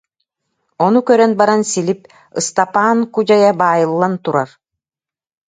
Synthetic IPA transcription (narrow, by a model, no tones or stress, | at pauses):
ɔnukœɾœnbaɾansilʲip̚ | ɯst̪apaːnkud͡ʑajabaːjɯlˠːant̪uɾaɾ